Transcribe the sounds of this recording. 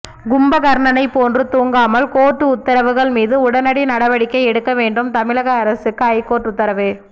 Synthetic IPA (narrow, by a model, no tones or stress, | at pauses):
ɡʊmbɐɣɐɾɳɐnɐɪpːoːndrɯt̪uːŋɡaːmɐlkoːʈːɯʊt̪ːɐɾɐʋɯɣɐɭmiːðɯʊɽɐnɐɽinɐɽɐʋɐɽɪkːɐɪɛɽɯkːɐʋeːɳɖɯmt̪ɐmɪɻɐɣɐːɾɐsɯkːɯɐɪkːoːʈːʊt̪ːɐɾɐʋɯ